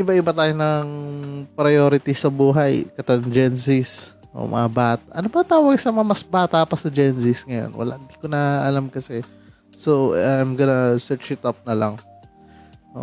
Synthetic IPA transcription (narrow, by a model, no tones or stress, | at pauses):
ʔɪbaʔɪbɐt̪aːjonɐŋpɾɐjoːɾɪt̪isɐbuːɦɐjkɐt̪owɐŋd͡ʒɛnsɪs | ʔo̰mʔɐ̰ŋabaːt̪aʔɐnopɐt̪aːwɐɡsɐmɐɐmɐsbaːt̪aʔpɐsɐd͡ʒɛnsɪsŋɐjo̰nwɐ̰la̰ʔhɪnd̪ikonɐʔɐlamkɐsɛ | soaajmɡɐnasɛt͡ʃɪt̪ap̚nɐlɐ̰ŋ | o̰